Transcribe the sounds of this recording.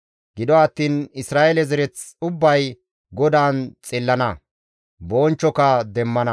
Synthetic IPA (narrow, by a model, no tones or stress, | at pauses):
ɡɪd̪ɔɐt̪ːiːnɪsɾaːʔɛlɛzɛɾɛt͡sʊbːɐj | ɡɔd̪aːnt͡sʼɪlːɐnɐ | boːnt͡ʃːɔkɐd̪ɛmːɐnɐ